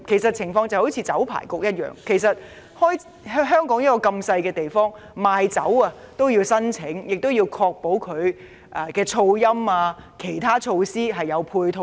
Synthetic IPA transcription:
kʰe˨˩jsɐ˨t̚t͡sʰɪ˨˩ŋfɔː˧ŋt͡sɐ˨who˨˥wt͡sʰi˨˧t͡sɐ˨˥wpʰa̰ː˨˩jkʊ˨k̚jɐ˥t̚jœ̰ː˨ŋkʰe˨˩jsɐ˨t̚ | hɔː˥j | ɦœː˥ŋkɔː˨˥ŋjɐ˥tkɔː˧kɐ˧msɐ˧jkɛː˧t̪e˨jfɔː˥ŋ | maː˨jt͡sɐ̰˨˥wɐː˧t̪o˥wjiː˧wsɐ˥nt͡sʰɪ˨˥ŋjɪ˨k̚t̪o˥wjiː˧wkʰɔː˧k̚po˨˥wkʰɵ˨˧ɥ | ʔɐː˧˩kɛː˧t͡ʃʰo˧wjɐ˥maː˧kʰe˨˩jt̪ʰaː˥t͡ʃʰo˧wsiː˥ɦɐ˨jːɐ˨˧wpʰuː˧jt̪ʰo˧

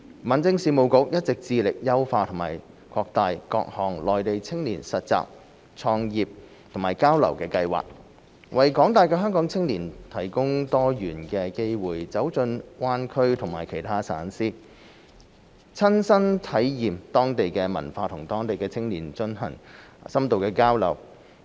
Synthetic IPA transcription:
mɐ˨˩nt͡sɪ˥˧ŋsiː˨˧mo˨˧wkʊ˧k̚jɐ˥t̚t͡sɪ˨k̚t͡siː˧lɪ˨k̚jɐ˥wfaː˧t̪ʰʊ˨˩ma̰ː˨˩j | kʰɔː˧k̚t̪aː˨˧jkɔ̰ː˧k̚hɔː˨ŋlɔː˨jt̪e˨jt͡sʰɪ˥ŋliː˨˩nsɐ˨t̚t͡sa̰ː˨˧k̚ | t͡sʰɔː˧ŋjiː˨p̚ | t̪ʰʊ˨˩ŋmaː˨˩jkaː˥wlɐ̰˨˩wkɛː˧kɐ˧jwa̰ː˨k̚ | wɐ˨jkɔː˨˥ŋt̪aː˨jkɛː˧ɦœː˥ŋkɔː˨˥ŋt͡sʰɪ˥ŋliː˨˩nt̪ʰɐ˨˩jkʊ˥ŋt̪ɔː˥jyː˨˩nkɛː˧ke˥jwuː˨jt͡sɐ˨˥wt͡sɵ˧nwaː˥nkʰɵ˥ɥt̪ʰʊ˨˩ŋmaː˨˩jkʰe˨˩jt̪ʰaː˥sa̰ː˨˥nsiː˥ | t͡sʰɐ˥nsɐ˥nt̪ʰɐ˨˥jjiː˨mt̪ɔː˥ŋt̪e˨jkɛː˧mɐ̰˨˩nfaː˧t̪ʰʊ˨˩ŋt̪ɔː˥ŋt̪e˨jkɛː˧t͡sʰɪ˥ŋliː˨˩nt͡ʃɵ˧nɦɐ̰˨˩ŋ | sɐ˥mt̪o˨wkɛː˧kaː˥wlɐ̰˨˩w

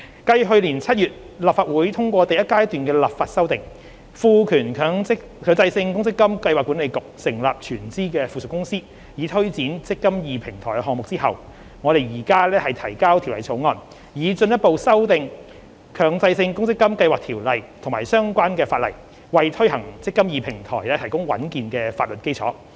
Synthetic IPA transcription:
kɐ˧jɦɵ˧ɥliː˨˩nt͡sʰɐ˥t̚jyː˨t̚ | laː˨p̚faː˧t̚wuː˨˥jt̪ʰʊ˥ŋkʷɔː˧t̪ɐ˨jɐ˥t̚kaː˥jt̪yː˨nkɛː˧laː˨p̚faː˧t̚sɐ˥wt̪ɪ˨ŋ | fuː˨˧kʰyː˨˩nkʰːŋ˥ | kʰœː˨˧ŋt͡sɐ˧jsɪ˧ŋkʊ˥ŋsɪ˥kːɐ˥mkɐ˧jwaː˨kːuː˨˥nle˨˧jkʊ˨k̚sɪ˨˩ŋlaː˨p̚t͡ʃʰyː˨˩nt͡siː˥kɛː˧fuː˨sʊ˨˩kːʊ˥ŋsiː˥ | jiː˨˥t̪ʰɵ˥ɥt͡siː˨˥nt͡sɪ˥kːɐ˥mjiː˨pʰɪ˨˩ŋt̪ʰɔː˨˩jkɛ˧ɦɔː˨ŋmʊ˨k̚t͡si˥ɦɐ˨w | ŋɔː˨˧ɾe˨jjiː˨˩kaː˥lɛː˥hɐ˨˩jt̪ʰɐ˨˩jkaː˥wt̪ʰi˨˩wlɐ˨˩jt͡sʰo˨˥wŋɔː˨n | jiː˨˧t͡sɵ˧njɐ˥t̚po˨˧wsɐ˥wt̪ɪ˨˧ŋ | kʰœː˨˩ŋt͡sɐ˧jsɪ˧ŋkʊ˥ŋsɪ˥kːɐ˥mkɐ˧jwaː˨k̚t̪ʰi˨˩wlɐ˨jt̪ʰʊ˨˩ŋmaː˨˩jsœː˥ŋkʷaː˥nkɛː˧faː˧t̚lɐ̰˨˩j | wɐ˨jt̪ʰɵ˥ɥhɐ˨˩ŋt͡sɪ˥kːɐ˥mjiː˨pʰɪ˨˩ŋt̪ʰɔ̰ː˨˩jlɛː˥t̪ʰɐ˨˩jkʊ˥ŋwɐ̰˨˥nkiː˨nkɛː˧faː˧t̚lɵ˨t̚ke˥jt͡sʰɔː˨˥

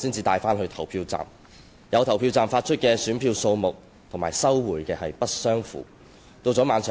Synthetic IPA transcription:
siː˥nt͡siː˧t̪aː˨˧jfaː˥nɦɵ˧ɥt̪ʰɐ˨˩wpʰiː˧wt͡sa̰ː˨˩m | jɐ˨˧wt̪ʰɐ˨˩wpʰiː˧wt͡saː˨mfaː˧t̚t͡ʃʰɵ˥t̚kɛː˧syː˨˥npʰiː˧wso˧wmʊ˨k̚ | t̪ʰʊ˨˩maː˨˩jsɐ˥wwuː˨˩jkɛː˧hɐ˨jpɐ˥t̚sœː˥ŋfṵː˨˩˦ | t̪o˧wt͡sɔː˨˥maː˨˧nsœː˨˩

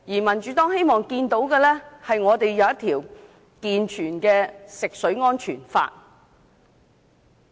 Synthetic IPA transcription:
jiː˨˩mɐ˨˩nt͡ʃyː˨˧t̪ɔː˥ŋhe˥jmɔː˨ŋkiː˧nt̪o˨˥wkɛː˧lɛː˥hɐ˨jŋɔː˨˧t̪e˨jːɐ˨˧wjɐ˥t̪ʰiː˨˩w | kiː˨nt͡ʃʰyː˨˩nkɛː˧sɪ˨k̚sɵ˨˥ɥŋɔː˥nt͡ʃʰyː˨˩nfa̰ː˧t̚

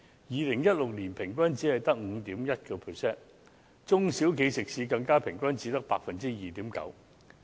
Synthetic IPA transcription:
jiː˨˧lɪ˨˩ŋjɐ˥t̚lʊ˨k̚liː˨˩npʰɪ˨˩ŋk̬ʷɐ˥nt͡si˨˥hɐ˨jt̪ɐ˥k̚ŋ̩˨˧t̪iː˨˥mjɐ˥t̚kɛː˧pʰə˨sɛː˥n | t͡sʊ˥ŋsi˨˥wkʰe˨˧jsɪ˨k̚siː˧kɐ˧ŋkaː˥pʰɪ˨˩ŋkʷɐ˥nt͡siː˨˥t̪ɐ˥k̚pa̰ː˧k̚fɐ˨nt͡siː˥jiː˨t̪iː˨˥mkɐ̰˨˥w

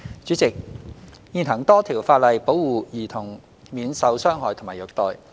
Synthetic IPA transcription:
t͡syː˨˥t͡sɪ˨k̚ | jiː˧nɦɐ˨˩ŋt̪ɔː˥t̪ʰiː˨˩wfaː˧t̚lɐ˨jpo˨˥wːuː˨˧jiː˨˩t̪ʰʊ˨˩ŋ | miː˨˧nsɐ˧wsœː˥ŋɦɔː˨˩tʰʊ˨˩maː˨˩jœ˨k̚t̪ɔː˨˧j

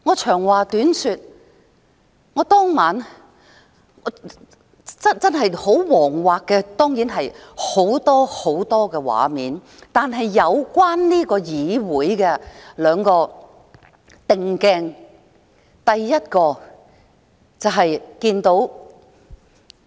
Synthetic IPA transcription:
ŋɔː˨˧t͡ʃʰœː˨˩ŋwaː˨˩t̪yː˨˥nsyː˧t̚ | ŋɔː˨˧˥t̪ɔː˥ŋmaː˨˥n | ɔ˨˧ | t͡sɐ˥nt͡sɐ˥nɦɐ˨jho˨˥wwɔː˨˩ŋwaː˨kkːɛː˧t̪ɔː˥ŋjiː˨˥nɦɐ˨jho˨˥wt̪ɔː˥ho˨˥wt̪ɔː˥kɛː˧wa̰ː˨miː˨˥n | t̪aː˨nɦɐ˨jːɐ˨˧wkʷaː˥nliː˥kɔː˧jiː˨˧wuː˨˥jkɛː˧lœː˨˧ŋkɔː˧ | t̪ɪ˨ŋkɛː˧ŋ | t̪ɐ˨jːɐ˥t̚kɔː˧ | t͡sɐ˨wɦɐ˨jkiː˧nt̪o˨˥w

